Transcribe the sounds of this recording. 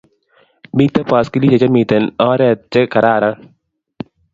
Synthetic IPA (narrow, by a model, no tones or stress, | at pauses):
mit̪ːɐpaːskilit͡ʃɐt͡ʃɐmiːt̪ɐnaːɾɐt͡ʃːɐkɐɾaːɾan